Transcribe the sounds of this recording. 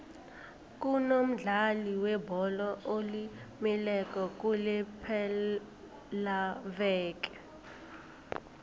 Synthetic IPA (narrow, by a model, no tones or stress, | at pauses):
k̬ʼunom̩ɮaliwɛbʱɔlɔʔolimilɛk̬ʼɔk̬ʼulɛpʰɛ | lavɛːk̬ʼɛ̥